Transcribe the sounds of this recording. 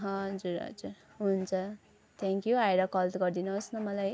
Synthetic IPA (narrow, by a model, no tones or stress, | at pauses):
ɦʌ̃d͡zuɾʌ̰d͡zu | ɦunnt͡sʰʌ | t̪ʰãŋkjoajɾʌkʌlt̪ɡʌrd̪inʌosnʌmʌlaj